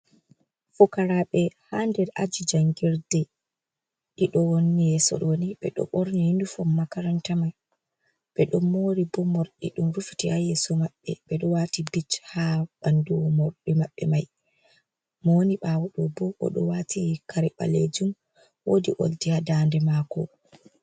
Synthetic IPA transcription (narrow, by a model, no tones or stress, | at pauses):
fɔkaɾaɓɛhandɛɾa̰d͡ʒid͡ʒaŋɡiɾdɛ | ɗiɗɔwonːijɛsɔ̰ɗɔwoniɓɛɗɔ̰ɓoɾnihindufɔmːakaɾantamaj | ɓɛɗɔmːoːɾibɔmɔɾɗḭɗumɾufi̥tihajɛsɔmaɓːɛ̰ɓɛɗɔwatibit͡ʃhaɓanduwɔmɔɾɗimaɓːɛ̰maj | mɔwniɓawɔɗɔbɔʔɔ̰ɗɔ̰watikʰaɾiɓa̰led͡ʒum | wodiʔo̰ldihadandɛmakɔ